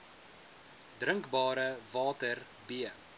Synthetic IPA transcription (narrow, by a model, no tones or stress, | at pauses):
drəŋkbɑːɾəvɑːtər | biə